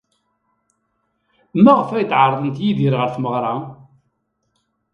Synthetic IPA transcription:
mæʁfæjt̪ːʕəɾˤðˤənt̪jiðiɾʁəɾθməʁɾˤɑ

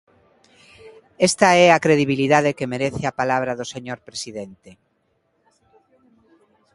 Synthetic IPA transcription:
ɛst̪aɛakɾeð̞iβiliðaðekemeɾeθeapalaβ̞ɾaðoseɲoɾpɾesiðent̪e

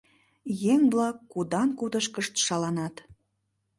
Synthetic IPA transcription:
jeŋβlɑkːud̪ɑnkud̪əʃkəʃt̪ʃɑlɑnɑt̪

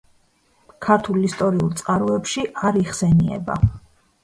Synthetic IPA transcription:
kʰaɾt̪ʰulist̪ʼɔɾiulˠt̪sʼqʼaɾɔɛpʃiʔaɾiʁsɛniɛ̰ba̰

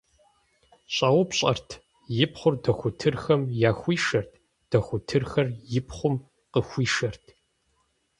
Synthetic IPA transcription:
ɕʼaːwʊpɕʼɐ̰rtʰ | jɪpχʷʊrdɐxʷʊtʰɨrxɐmjaːxʷiːʂɐrtʰ | d̥ɐxʷʊtʰɨrxɐrjɪpχʷʊm | qəxʷiːʂɐrtʰ

